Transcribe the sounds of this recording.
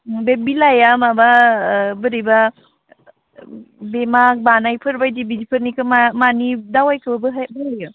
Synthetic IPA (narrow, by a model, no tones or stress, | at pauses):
bebilajamababɯɾijba | bemak̚banajpʰɯɾbajdibidipʰɯɾnikʰɯmamanidawajkʰɯbabɯɦbɯɦaju